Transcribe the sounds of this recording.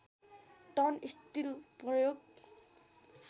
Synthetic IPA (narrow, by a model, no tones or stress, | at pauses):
tɔnistilprɔjoɡ̚ | s